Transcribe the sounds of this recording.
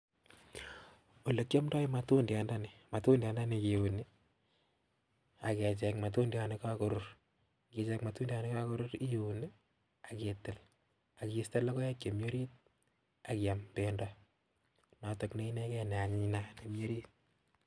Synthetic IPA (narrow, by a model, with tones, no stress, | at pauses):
o˨le˨kjɔ˦mdɔ˦ima˨tu˦ndja˨nda˦ni˨ma˨tu˦ndja˨nda˦niki˨uni˦ | a˨kɛ˨t͡ʃɛ˨kma˨tu˦ndja˨neka˦ko˦ɾʊr | ki˨t͡ʃɛkma˨tuː˦nda˦ni˦ka˦ko˦ɾʊ˦ɾi˦ju˨ni˦ | a˨ketɪ˨l | a˨kiiste˦lo˦ko˦jɛ˦kje˨mjo˦ɾi˦t̚ | a˨ki˨a˨mpe˨ndɔ | na˨to˨kne˦i˦ne˦kɛ˦ne˨a˨ɲinane˨mjo˦ɾi˦t̚